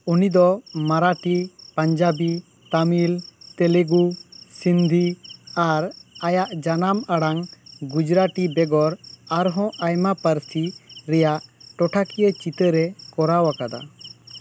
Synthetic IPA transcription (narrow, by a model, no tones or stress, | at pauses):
unid̪ɔmaɾaʈipaɲd͡ʒabi | t̪amilt̪ɛleɡusind̪ʱiaɾajaʔd͡ʒanamaɽaŋɡud͡ʒɾaʈibɛɡɔɾaɾɦɔ̃ʔajmapəɾsiɾɛjaʔʈɔʈʰakijət͡ʃit̪əɾɛkɔɾawakad̪a̰